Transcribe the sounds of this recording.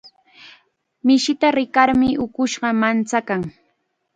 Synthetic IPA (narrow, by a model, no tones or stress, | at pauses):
mɪʃɪt̪aɾɪkaɾmɪʔʊkʊʃɢɑmant͡sakaŋ